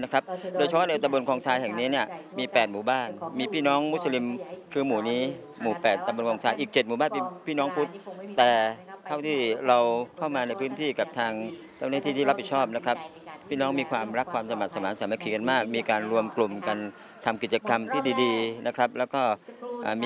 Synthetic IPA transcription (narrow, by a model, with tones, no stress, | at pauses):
na˦˥kɾa˦˥p̚doː˧jʰa˧˥pʰɔ˥˨na˧t̪a˧mbo˧nkʰɔː˧ŋsaː˧jhɛ˨˩ŋniː˦˥ni˥˩ɐmiː˧pɛː˨˩t̪̚muː˨˩˦baː˥˩nmiː˧pʰiː˥˩nɔː˦˥ŋmu˦˥t̪̚sa˧li˧mkʰɯː˧muː˩˦niː˦˥ | muː˨˩˦pɛː˨˩t̪̚t̪ːa˧bo˧nkɔː˧ŋsaː˧jʔiː˨˩k̚t͡ɕe˨˩t̪̚muː˨˩baː˥˩npe˧npʰiː˥˩nɔː˦˥ŋpʰu˦˥t̪̚ːɛː˨˩t̪ʰa˥˩wt̪ʰiː˥˩ɾa˧wkʰa˥˩wmaː˧na˧jpʰɯː˦˥nt̪ʰiː˥˩ka˨˩p̚t̪ʰaː˧ŋ | t͡ɕa˥˩wnaː˥˩t̪ʰiː˥˩iː˥˩a˦˥p̚hi˨˩t̪̚t͡ɕʰɔː˥˩p̚na˦˥kʰɾa˦˥p̚ | pʰːiː˥˩nɔː˦˥ŋmiː˧kʰwaː˧mɾa˦˥kʰːwaː˧msa˧ma˨˩sa˧˦maː˩˦nsaː˨˦ma˧˩kʰiː˨˩ka˧nmaː˥˩k̚miː˧kaː˧nɾu˧əmklo˨˩mka˧n | t̪ʰa˧mki˨˩t̪̚t͡ɕa˧ka˧mt̪ʰiː˥˩diː˧diː˧na˦˥kʰɾa˦˥p̚lɛː˦˥wkɔː˥˩ʔaː˨˩mː˧